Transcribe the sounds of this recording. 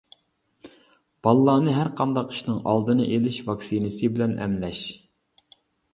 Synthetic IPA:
b̥ɑlˠːɑːnɨɦæɾqʰɑnd̪ɑqi̥ʃnɨŋʔɑlˠd̪ɨnɨ̰ʔelɪʃvɑksinɨsɨbɪlɛnʔɛ̰mlɛʃ

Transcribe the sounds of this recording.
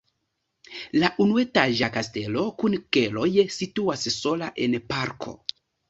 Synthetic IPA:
laʔunue̞taʒakaste̞lo̞kunke̞lo̞jsituasso̞laʔe̞npaɾkʰo̞̰

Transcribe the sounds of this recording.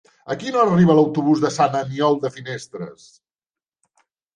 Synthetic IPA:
əkinoəriβələwt̪uβuzðəsanəniɔlˠd̪əfinest̪ɾə̰s

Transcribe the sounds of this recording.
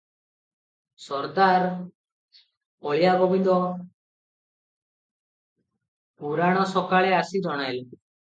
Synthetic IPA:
sɔɾt̪aɾ | ɔɭjabɔbind̪ɔ | puɾaɽ̃ɔsɔkaɭɛasid͡ʒɔɽ̃ajl

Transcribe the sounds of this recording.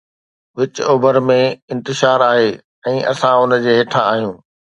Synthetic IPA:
ʋɪt͡ɕʊːbəɾmẽɪ̃nt̪ɪʃaːɾaːɦeː | ɛ̃ːʔɐ̰sãʊnd͡ʑeːɦeːʈʰãaːɦijũː

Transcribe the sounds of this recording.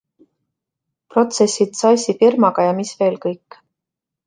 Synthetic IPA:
pro̞t̪se̞sʲːit̪sɑjsʲifirmɑɡ̥ɑjɑmisve̞ːlkɤjkː

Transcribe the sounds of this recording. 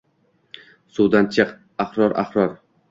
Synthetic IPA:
suwd̪ant͡ʃʰɨq | aχɾɒɾʔa̰χɾɒɾ

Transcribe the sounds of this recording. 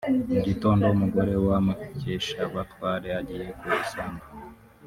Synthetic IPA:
uɟito̞ːndo̞umuɡo̞ɾe̞wamaceʃaβatwaːɾeaɟije̞kuisaːnɡa

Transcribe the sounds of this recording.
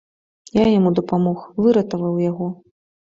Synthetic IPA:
jajamud̪ɐpamɔxvɨɾɐt̪ɐvɐwjaɣɔ

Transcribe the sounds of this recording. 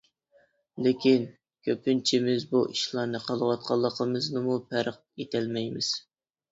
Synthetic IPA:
lɪkʲʰin | kʲʰøpynt͡ʃʰimɪzbuʔiʃlˠɑɾnɨqʰɑlˠwɑt̪̚qʰɑlˠːəqʰəmɨznɨmupʰæɾq̚ | et̪ʰælmɛjmɪz̥

